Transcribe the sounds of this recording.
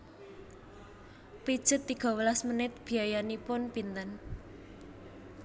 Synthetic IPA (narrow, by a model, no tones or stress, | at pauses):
pid̥ʒ̥ə̤t̪ːiɡ̥ɔ̤wəlasmənɪt̪̚b̥i̤ajanipʊnpint̪ən